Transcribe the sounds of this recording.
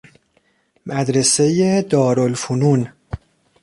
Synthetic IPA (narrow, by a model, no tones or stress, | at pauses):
mæd̪ɾese̞jed̪ɒːɾolfunun